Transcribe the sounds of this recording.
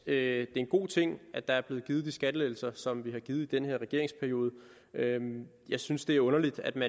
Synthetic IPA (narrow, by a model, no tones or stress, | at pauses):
ød̥e̝e̝nɡ̥o̝̰ːt͡sʰe̝ŋ̰ʔædd̥ɑ̈æɐb̥le̝ːð̩ɡ̥iːð̞̩ˠd̥isɡ̥æd̥əleɪl̩sɐsɒ̽mʋihɑ̈ɡ̥iːð̞̩ˠid̥enheɐ̰ʁɛɡ̥e̝ɐ̰e̝ŋspʰæɐijo̝ːð̞ˠə | ø | jɑ̈ɪsynsd̥e̝æɐɔ̽nɐlid̥æd̥mæ